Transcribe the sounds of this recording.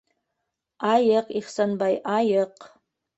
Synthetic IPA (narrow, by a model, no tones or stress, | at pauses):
ajɪqʼiχsanbajʔajɪq